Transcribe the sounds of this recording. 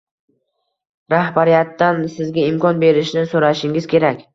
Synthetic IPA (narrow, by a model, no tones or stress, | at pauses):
ɾahbaɾijat̪ːansɪzɡʲaɪmkɒnbe̞ɾɪʃnɪsoɾaʃɪŋɪzkʲʰe̞ɾakʲ